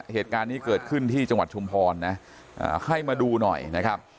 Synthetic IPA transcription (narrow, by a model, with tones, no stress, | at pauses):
heː˨˩t̪̚kaː˧nːiː˦˥kɤː˨˩t̪̚kʰɯ˥˩nt̪ʰiː˥˩t͡ɕa˧ŋwa˨˩t̪̚t͡ɕʰu˧mpʰɔː˧nːa˦˥ | ʔa̰ː˨˩ha˥˩jmaː˧duː˧nɔ̰˨˩jna˦˥kʰa˦˥p̚